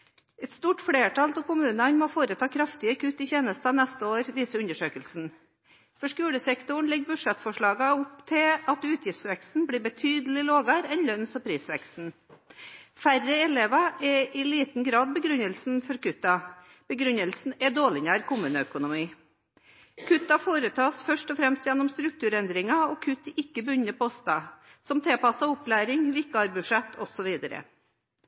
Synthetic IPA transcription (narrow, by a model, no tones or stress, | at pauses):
ɛt̪st̪uːʈfɽeːʈʰɑlt̪ɛkʊmʉːnɑnmɔfoːɾət̪ʰɑːkʰɾɑft̪ɪɑkʰʉːt̪ːɪçeːnəst̪ɑnɛst̪əoːɾʋiːsəʉnd̪əʂøːkəlsn̩ | fɔʂkʉːɽəsɛkt̪ʊɳ̩lɛɡbʉʂɛt̪fɔʂɭɑːɡɑʊpt̪ʰɪɑt̪ʉːt̪ʰjɪft̪sʋɛkst̪n̩bliːbət̪ʰyːd̪əl̩ɪloːɡɑɾɛnlœnsɔpʰɾiːsʋɛkst̪n̩ | færəɛleːʋɑɛʔɪliːt̪n̩ɡɾɑːd̪̚bəɡɾʉɲːəlsn̩fɔɾkʉt̪ːɑ | b̥əɡɾʉnːəlsn̩ɛd̪oːɭɪɲæːɾkʊmʉːnəœkʊnʊmiː | kʰʉt̪ːɑfoːɾət̪ʰɑːsfœʂʈɔfɾɛmst̪jɛnːɔmst̪ɾʉk̚t̪ʉːɾɛnd̪ɾɪŋɑɔkʰʉt̪ːɪkːəbʉɲːəpɔɔst̪ɑsɔmt̪ʰɛlpɑsːɑʊplæːɾɪŋʋɪɪkːəɑɾbʉʂɛt̪ʰːɔsɔʋiːd̪əɾə̰